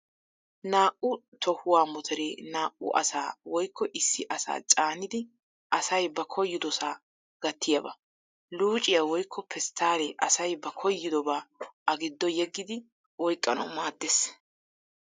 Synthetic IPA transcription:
naːʔʊ | t̪ʰɔhʊwaːmɔt̪ʰɛɾeːnaːʔʊ̰ʔɐ̰sa̰ːwɔjkʰːɔʔɪsːɪʔɐsa̰ːt͡ʃʼaːnɪd̪ɪ | ʔɐsɐjbɐkʰɔjːɪd̪ɔsaː | ɡ̥ɐt̪ːɪjɐbɐ | luːt͡ʃʼɪjawɔjkʰːɔpʰɛst̪ʰːaːlɛʔɐsɐjbɐkʰɔjːɪd̪ɔbaːʔɐɡɪd̪ːɔjɛɡːɪd̪ɪ | wɔjkʼːɐnɐ̰wmaːd̪ːes

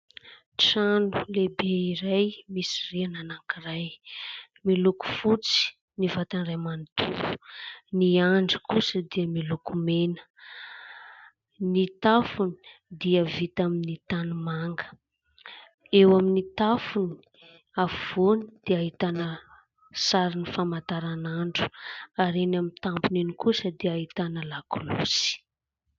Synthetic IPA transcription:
ʈ͡ʂanulebeiɾajmisiriananakiraj | miluku̥fut͡si̥ | nivat̪anramanit̪uuniaɳɖ͡ʐəkusəd̪iəmilukumenə̥ | nit̪afuni̥d̪iəvit̪aminit̪anumaŋɡə̥ | ewaminit̪afuni̥ | avonid̪̥eaɦit̪anə | saɾinifamat̪aɾanaɳɖ͡ʐu̥aɾenamint̪ampuninikusəd̪iaɦit̪anəlakulṵsi̥

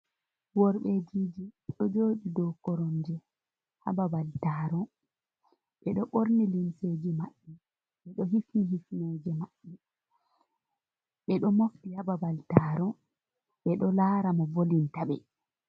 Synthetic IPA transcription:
wɔɾɓed͡ʒiːd͡ʒiɗɔd͡ʒoːɗidɔkɔɾɔnd͡ʒɛ | ha̰babaltaɾɔ | ɓɛɗɔɓoɾnilimseːd͡ʒimaɓːɛ | ɓɛɗɔɦifiɦifned͡ʒɛmaɓːɛ | ɓɛɗɔmoftihababaltaːɾɔ | ɓɛɗɔlaːɾamɔvolintaɓɛ

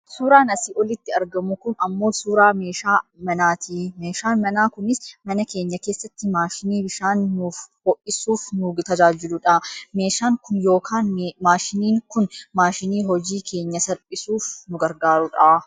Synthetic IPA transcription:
suːɾaːnɐsiːʔɔlɪt̪ːɪɐɾɡɐmʊkʊnɐmːo̞ːsuːɾaːme̞ːʃaːmɐnaːt̪ʰiːmeːʃaːnmɐnaːkʊnɪsmɐnɐke̞ːɲːɐke̞ːsːɐt̪ːɪmaːʃɪniːbɪʃaːnːʊfhɔʔɪsuːfnʊt̪ɐd͡ʒaːd͡ʒɪlʊᶑɐːme̞ːʃaːŋkʊnjo̞ːkʰaːnmaːʃɪniːŋkʊnmaːʃɪniːɦɔd͡ʒiːkʰe̞ːɲːɐsɐɾpʼɪsuːfnʊɡɐɾɡaːɾʊᶑaː

